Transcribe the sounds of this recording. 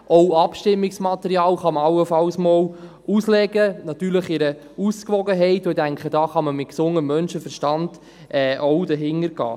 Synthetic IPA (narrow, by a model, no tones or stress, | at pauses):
ɔwɑpʃtɪmːɪksmɑt̪əɾiɑːlχɑməɑwəfɑwsmɔːl | uslɛɡənɑt̪yːɾləχɪɾə | uskʋɔɡəɦɛɪtoidæŋkχədɑːχɑməmɪt̚ksʊŋəmːœnʃəfəɾʃtɑnd̥ | ʔɛːʔɔwdəɦɪŋːəɾɡ̥ɑ̰ː